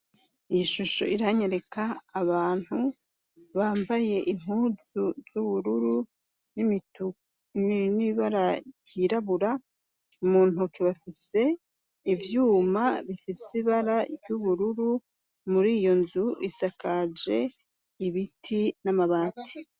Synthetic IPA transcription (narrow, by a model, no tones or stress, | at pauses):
ijiʃuʃo̰iɾaɲeɾe̞kaːβaːn̥hu | βaːmbaje̞ʔim̥uːzuz̥uβuɾuɾu | nimitu | niβaɾajiɾaβuɾa | umuːn̥okeβafise̞ | ivjuːmaβifisiβaɾaɾɟuβuɾuɾu | muɾiːjo̞nzuisakad͡ʒe̞ | iβitʰinamaβaːti̥